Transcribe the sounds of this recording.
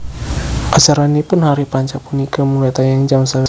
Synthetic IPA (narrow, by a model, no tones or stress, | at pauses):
ʔat͡ʃaɾanipʊnhaɾipaɲt͡ʃapunikəmulat̪ajaŋd͡ʒamsaw